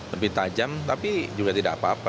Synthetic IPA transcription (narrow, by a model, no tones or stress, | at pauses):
ləbit̪ad͡ʒamt̪apid͡ʒuɡat̪idaʔapaːpa